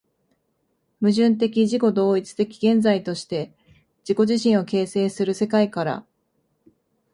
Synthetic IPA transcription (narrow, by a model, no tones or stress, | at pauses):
mɯ̟ʑɨ̃nt̪̬e̞kʲiʑiko̞d̪o̞ːit͡sɨ̥t̪e̞kʲi̥ɡẽ̞nd͡zait̪o̞ɕi̥t̪e̞ | d͡ʑ̥iko̞ʑiɕĩɰ̃o̞ke̞ːse̞ːsɨɾɯ̟se̞kaikaɾa̰